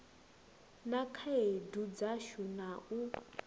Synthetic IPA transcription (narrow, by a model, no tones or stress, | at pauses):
nakʰaedud͡zaʃunaʔu